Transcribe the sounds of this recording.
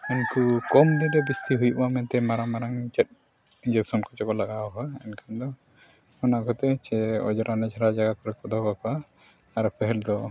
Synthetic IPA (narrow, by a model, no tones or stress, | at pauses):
unkukɔmd̪iɾɛbist̪iɦujʔamɛnt̪ɛmaɾamaɾaŋt͡ʃɛt̪̚ | d͡ʒɛsɔnkɔt͡ʃɔkɔlaɡaɦɔɛnkʰand̪ɔ | ɔnaɡɔt̪ɛt͡ʃɛɔ̰d͡ʒɔɾʔanɛd͡ʒaɾad͡ʒaɡakɔɾɛkɔd̪ʱɔkakaː | ɾpɛɦɛld̪ɔ